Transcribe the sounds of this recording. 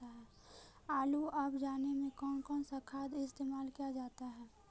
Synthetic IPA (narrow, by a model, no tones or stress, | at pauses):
aɦɛː | aːluəbd͡ʒaːnemẽkɔːnkɔːnsakʰaːd̪ɪst̪eːmaːlkijad͡ʒaːt̪aɦɛː